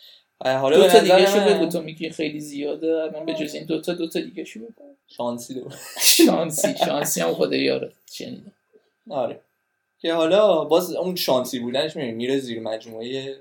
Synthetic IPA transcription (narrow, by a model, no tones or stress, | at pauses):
ɦɒlɒotnʰɒd̪iɡɾæʃubed̪bet̪ʰomiɡinxejlizijɒːd̪ɛæɾmænbed͡ʒozeimd̪ot̪ʰɒd̪ot̪ʰɒd̪iɡæʃumikʰon | ʃɒnsid̪oʃɒnsiʃɒnsihæmxod̪ɒjɒ̰ɾet͡ʃḛnḭd̪æ | ɒɾe | cʰehɒlɒbɒzunʃɒːnsibuːd̪æneʃmibinimiɾeziɾmæd͡ʒmueje